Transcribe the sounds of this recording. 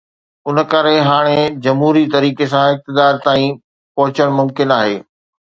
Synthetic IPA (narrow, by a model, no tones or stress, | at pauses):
ʊn̆kɐɾeɦaːɽ̃ed͡ʑɐmɦuːɾit̪ɐɾiːkesãɪk̚t̪ɪd̪aːɾt̪aːĩ | pɐɦʊt͡ɕəɽ̃mʊmkɪnaːɦeː